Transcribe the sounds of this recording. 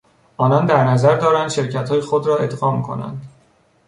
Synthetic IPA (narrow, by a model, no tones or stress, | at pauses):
ʔɒːnɒːnd̪æɾnæzæɾd̪ɒːɾænd̪̥ʃe̞ɾcʰæt̪hɒːjexod̪ɾɒːe̞d̪ɢɒːmkʰo̞̰næ̰nd̪